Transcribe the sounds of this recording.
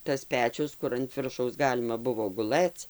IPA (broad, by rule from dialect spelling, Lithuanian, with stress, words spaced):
tɐs ˈpʲæːt͡ʃʲʊs ˈkʊr ɐnt ˈʋʲɪrʃɐʊs ˈɡɑːlʲɪmɐ ˈbʊʋoː ɡʊˈlˠɘt͡s